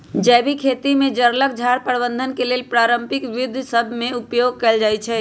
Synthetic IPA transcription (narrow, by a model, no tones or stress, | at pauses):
d͡ʒɛbʱikʰet̪imed͡ʒəɾlək̚d͡ʒʱaɾpəɾbənd̪ʱənkelelpɾaɾəmpikʋud̪ʱsəbʱmeupjoɡ̚kɛld͡ʒajt͡ʃʰɛ